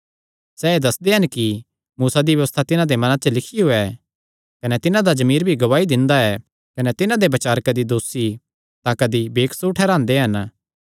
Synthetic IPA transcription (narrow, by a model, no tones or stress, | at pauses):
sɛːed̪ɐsd̪eɦɐnki | muːsad̪iʋjɐʋəst̪ʰat̪ɪnãd̪emɐnat͡ʃəlɪkʰiɦoɛ | kɐnɛt̪ɪnãd̪ad͡ʒɐmiːɾbʱiɡɐʋaːid̪ɪ̃nd̪aɛ | kɐnɛt̪ɪnãd̪ebɐt͡ʃaːɾkɐd̪id̪oːsi | t̪akɐd̪ibeːkʰsuʈʰɛːɾãːnd̪eɦɐn